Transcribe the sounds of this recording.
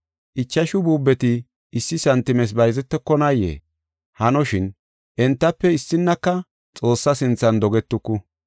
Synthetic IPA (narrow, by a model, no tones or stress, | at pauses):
ʔɪt͡ʃːɐʃʊbuːbːɛt̪ɪː | sːɪsɐnt̪ːɪmɛs̬bɐjzɛt̪ːɛkːɔnɐjːḛː | hɐnɔʃɪn | ʔɛnt̪ːɐpːɛɪsːɪnːɐkːɐ | t͡sʼo̞ːsːɐsɪnt͡sːɐnd̪ɔɡɛt̪ːʊkːʊ